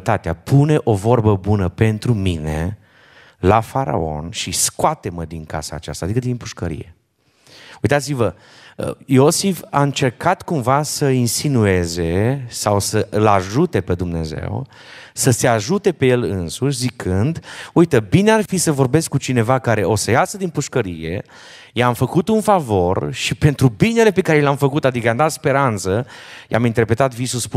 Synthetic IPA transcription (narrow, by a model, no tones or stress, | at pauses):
t̪at̪eapʰune̞ʔo̞vo̞rbəbunəpe̞nt̪ɾumine̞̰ | lafaɾa̰o̞̰nʃiskoat̪e̞məd̪iŋka̰sa̰ːt͡ʃa̰st̪aːd̪ikəd̪impuʃkəɾḭje̞̰ | ujt̪at̪sivə | ə̰jo̞sifa̰ɨnt͡ʃe̞rkat̪kumvasəinsinue̞ze̞sawsəɨlaʒut̪e̞pe̞d̪umne̞̰ze̞̰w | səse̞aʒut̪e̞pe̞je̞lɨ̰nsuʃ̬ʲzikʰɨnd̪ujt̪əbinearfisəvo̞rbe̞skːut͡ʃine̞vakaɾe̞o̞səjasəd̪inpuʃkəɾḭje̞̰ | jamfəkut̪unfavo̞rʃipe̞nt̪ɾubine̞le̞pe̞kaɾelamfəkut̪ad̪ikəjamd̪at̪spe̞ɾant̪səjʔa̰mint̪e̞rpɾe̞t̪at̪visusp